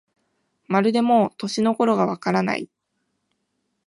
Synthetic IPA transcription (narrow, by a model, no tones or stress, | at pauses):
maɾɯ̟d̪e̞mo̞t̪o̞ɕino̞ko̞ɾo̞ɡaβ̞akaɾana̰i